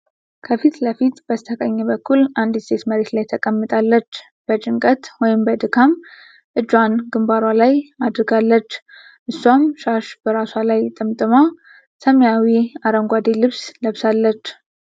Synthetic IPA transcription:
kʰəfit̪ləfit̪b̥əzt̪ʰəkʼəɲːɛbəkʰːulʔand̪ist̪ʰe̞t̪məɾe̞t̪lajt̪ʰəkʼəmːɨt̪ʼalːət͡ʃː | b̥ət͡ʃʼɨŋkʼət̪wɔjɪmbəd̪ɨkʰam | ʔɨd͡ʒwanɡɨmbaɾwalajad̪ɾɨɡalːət͡ʃː | ʔɨsːamʃaʃbəɾaswalajt̪ʼɨmt̪ʼɨma | səmjawiaɾəŋɡʷad̪elɨβsləβsalːət͡ʃː

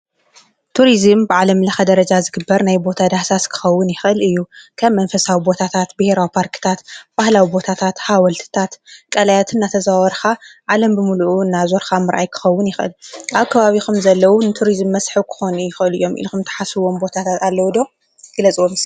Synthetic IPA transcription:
t̪ʰuɾizɨmbɨʕalɐmlɐxɐd̪ɐɾɐd͡ʒazɨɡɨbːɐɾnajbo̞t̪ʰad̪ahsaskʰɨ̥xɐwːʊnjɪxʔɨlɨjːukʰɐβmːɐnfɐsawibo̞t̪ʰat̪ʰat̪bɨheɾawipʰaɾkɨ̥t̪ʰat̪b̥ahlawibo̞t̪ʰat̪ʰat̪hawɐlt̪ʰɨ̥t̪ʰat̪kʼɐlajat̪ʰɨnːat̪ʰɐzawɐɾxaʕalɐmbɨmuluʔɨnːazoɾxamɨɾʔa̰jkʰɨ̥xɐwːʊnjɪxʔɨlʔaβkʰɐβaβixumzɐlːɐwunɨt̪ʰuɾizɨmːɐsħɨwkʰɨ̥xo̞nujɪxʔɨlɨjːo̞mʔḭlxumt̪ʰɐ̥ħasɨwo̞mbo̞t̪ʰat̪ʰat̪alːɐwd̪o̞ | ɡ̥ɨlɐt͡sʼwom

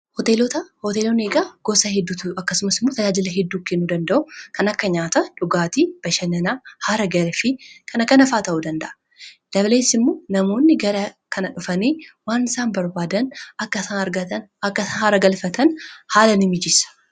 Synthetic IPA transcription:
hɔt̪e̞ːlɔt̪ɐhot̪eːloneːɡaːɡ̥ɔsɐhɛd̪ːuɐkːɐsʊmɐsɪmːot̪ɐd͡ʒaːd͡ʒɪlɐɦɛd̪ːuːkːenːuːd̪ɐnd̪ɐʔʊkɐnɐkːɐɲaːt̪ɐᶑʊɡaːt̪ib̥ɐʃɐnɐnahaːɾɐɡɐɾefɪkʰɐnɐkːɐnɐfaːt̪ɐʔud̪ɐnd̪ɐʔɐ̥ | d̥̪ɐble̞ːsɪmːo̞ːnɐmo̞ːnːɪɡɐɾɐkʰɐnɐᶑʊfɐneːwaːnɪsaːnbɐɾbaːd̪ɐnɐkːɐsɐɐɾɡɐt̪ɐnɐkːɐɐhaːɾɐɡɐlfɐt̪ɐnhaːlɐnɪmɪd͡ʒɪsɐ̥

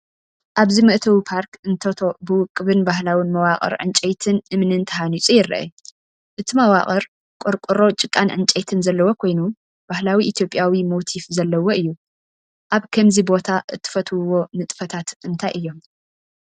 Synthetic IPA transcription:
ʔaβzimɨʔt̪ʰɐwipʰaɾkɨnt̪ʰɐt̪ʰo̞bɨwʊkʼːɨβɨnbaɦlawinmɐwaχʼɐ̰ɾʕɨ̰nt͡ʃʼejt̪ʰɨnʔɨmnɨnt̪ʰɐɦanit͡sʼujɪɾːɐ̰ʔɐ̰ | ʔɨt̪ʰimɐwa̰χʼɐɾ | kʷʼoɾkʷʼuɾo̞t͡ʃʼɨkʼːanʕɨnt͡ʃʼejt̪ʰɨnzɐlːɐwokʰo̞jnu | b̥ahlawiʔːt̪ʰjo̞pʼːjawimot̪ʰifzɐlːɐwo̞ʔɨjːu | ʔaβkʰɐmzibo̞t̪ʰaʔɨt̪ʰːɨ̥fɐt̪ʰwɨwo̞mɨt̪ʼfɐt̪ʰat̪ɨnt̪ʰajʔɨjːo̞m

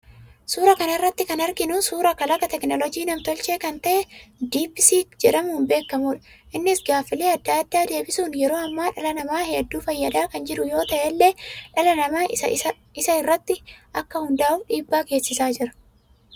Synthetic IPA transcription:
suːɾɐkɐnɐɪrːɐt̪ːɪkɐnɐɾɡɪnuːsuːɾɐkɐlɐkːɐt̪ɛknɔlɔd͡ʒiːnɐmt̪ɔlt͡ʃe̞ːkɐnt̪ɐʔɛd̪iːbɪsiːkd͡ʒɛᶑɐmumbe̞ːkːɐmuːᶑɐ̥ | ʔɪnːɪsɡaːfːɪleːɐd̪ːad̪ːaːd̪e̞ːbɪsuːnjɛɾo̞ːɐmːaːᶑɐlɐnɐmaːheːd̪ːuːfɐjːɐd̪aːkɐnd͡ʒɪᶑʊjo̞ːt̪ɐʔɛlːe̞ːᶑɐlɐnɐmaːɐ̰ | ɪsɐɪrːɐt̪ːɪʔɐkːɐhʊnd̪aːʊfᶑiːbːaːke̞ːsːɪsaːd͡ʒɪɾɐ̥

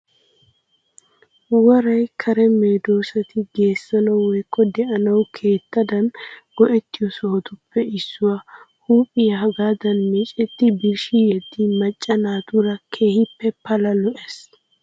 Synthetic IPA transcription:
wɔɾɐjkʰɐɾɛmeːd̪o̞ːsɐt̪ɪɡe̞ːsːɐnɐwwɔjkʰːɔd̪ɛʔɐnɐwkʰe̞ːt̪ːɐd̪ɐnɡɔʔɛt̪ːɪjɔsɔhɔt̪ʊpːɛɪsːʊwa | huːpʼːɪjɐhɐɡaːd̪ɐnmɛt͡ʃʼɛt̪ːɪbɪɾʃijɛd̪ːɪmɐt͡ʃʼːɐnaːt̪ʊɾɐkʰe̞ːhɪpːɛpɐlɐlɔʔɛs

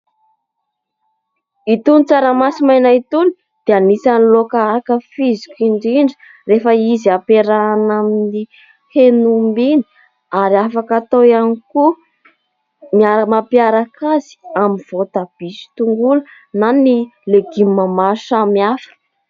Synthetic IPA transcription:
it̪unt͡saɾamasimajnait̪uni̥ | d̪̥eanisanlokaakəfizikʲiɳɖ͡ʐiɳɖ͡ʐə̥ | refəiziapeɾanamini | henumbini | aɾiafakat̪ojaniku | miamapiaɾakaz̥i̥amiv̥ot̪ab̥isi̥t̪uŋɡulə | nanileɡimamaʃamiafḁ

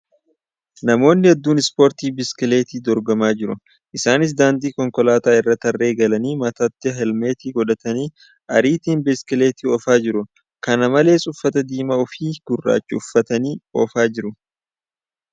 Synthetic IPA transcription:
nɐmo̞ːnːɪhɛd̪ːuːnɪspo̞ːɾt̪iːbɪskɪleːt̪iːd̪ɔɾɡɐmaːd͡ʒɪɾʊ | ʔɪsaːnɪs̬d̪aːnd̪iːkɔŋkɔlaːt̪aːɪrːɐt̪ːɐrːe̞ːɡɐlɐniːmɐt̪ɐt̪ːɪɦɛlmeːt̪iːɡɔᶑɐt̪ɐniː | ʔɐɾiːt̪iːnbɪskɪleːt̪iːɔfaːd͡ʒɪɾʊ | kɐnɐmɐle̞ːsʼʊfːɐt̪ɐd̪iːmaɔfiːɡ̥ʊrːa̰ːt͡ʃːʊʊfːɐt̪ɐniːo̰ːfaːd͡ʒɪɾʊ

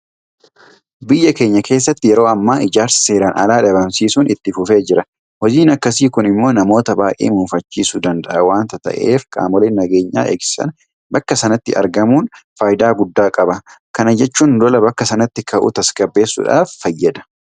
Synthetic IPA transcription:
bɪjːɐke̞ːɲːɐke̞ːs̬ːɐt̪ːɪjɛɾo̞ːɐmːaːʔɪd͡ʒaːɾsɪ̥seːɾɐnɐ̰laːᶑɐbɐmsiːsʊːnɪt̪ːɪfʊfe̞ːd͡ʒɪɾɐ | wɔd͡ʒiːnɐkːɐsiːkʊnɪmːo̞ːnɐmo̞ːt̪ɐbaːʔʼḛːmuːfɐt͡ʃːiːsʊd̪ɐnd̪ɐʔɐwaːnt̪ɐt̪ɐ̰ʔe̞̰ːfkʼa̰ːmɔleːnːɐɡe̞ːɲːa̰ːʔeːksɪ̥sɐ̰n | bɐkːɐsɐnɐt̪ːɪʔɐ̰ɾɡɐmuːnfaːjɪd̪aːɡʊd̪ːaːkʼɐbɐkɐnɐd͡ʒɛt͡ʃːuːnd̪ɔlɐbɐkːɐsɐnɐt̪ːɪkɐʔṵt̪ɐskɐbːe̞ːsːʊ̰ᶑa̰ːfːɐjːɐd̪ɐ̥

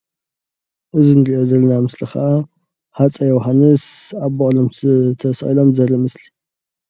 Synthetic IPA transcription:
ʔɨzinɾiʔod̪ɐlnamɨslixaʔa | hat͡sʼɐjɛwɦanːɨsaβbɐʔʼlomsɨt̪ʰɐsʔḭlomzɐɾɐmɨsli̥

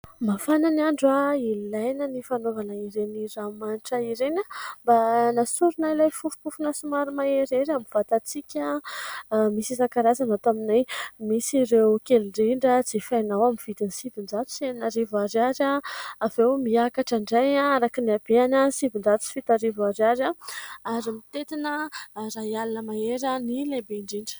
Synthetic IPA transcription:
mafananiaɳɖ͡ʐuailajnənifanovanaiɾeniramanʈ͡ʂəiɾenʲəmbanasuɾunailajfufu̥pufunasumaɾimaeɾeɾamiv̥at̪at͡sikʲa | misizakaɾazanat̪aminajmisiɾewkʲeliɖ͡ʐiɳɖ͡ʐəd͡zefajnawamiv̥it̪insivind͡ʒat̪u̥senaɾivaɾaɾaavewmiakaʈ͡ʂaɳɖ͡ʐajaaɾakiniab̥eanasivind͡ʒat̪u̥si̥fit̪aɾivaɾaɾaaɾimit̪et̪inəɾajalinəmaeɾanilebeiɳɖ͡ʐiɳɖ͡ʐə̥

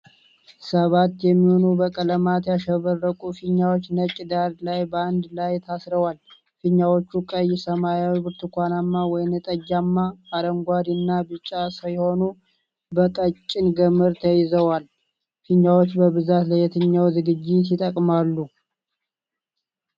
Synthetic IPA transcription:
səβat̪ːjɛmːiho̞nubəkʼələmat̪jaʃəβərːəkʼufɨɲːawot͡ʃːnət͡ʃʼɪd̪aɾlajbəand̪lajt̪ʰasɾəwal | fɨɲːawo̞t͡ʃːukʼəjɪsəmajawibɨɾt̪ʰukʷanamːawɔjnɨt̪ʼəd͡ʒːamːaaɾəŋɡʷad̪inːabɨt͡ʃʼːasəjho̞nu | bəkʼət͡ʃʼːɪnɡəmɨɾt̪ʰəjɪzəwal | fɨɲːawot͡ʃːbəβɨzat̪ləjɛt̪ʰɨɲːawzɨɡɨd͡ʒːɪt̪jɪt̪ʼəkʼmalːu

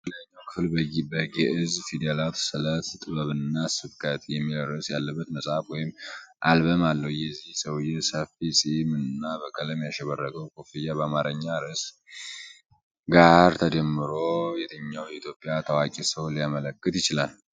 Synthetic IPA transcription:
ləɲːawkʰɨfɨlbəjɪbəɡɛʔɨzfid̪alat̪sɨlət̪t̪ʼɨβəβɨnːasɨbkʼʰət̪jɛmːilərəsjalːəbːət̪nəsʼafwɔjɪmʔalbəmalːəwjɛzːihsəwjɛsəfisʼimɨnːabəkʰələmjaʃɛβərːəɡəwkʰofijaβəamaɾəɲːaɾəs | ɡahaɾt̪ʰəd͡ʒɛmːɨɾo̞jɛt̪ʰəɲːawjɛit̪ʰjo̞pʼːjat̪ʰəwakʼisəwliamələkːɨt̪jɪt͡ʃɪlal

